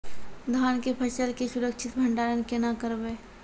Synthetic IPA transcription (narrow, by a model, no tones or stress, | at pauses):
d̪ʱaːnkepʰəʃəlkesʊɾəkt͡ʃʰɪt̪bʱəɳɖaːɾənkenakəɾbeː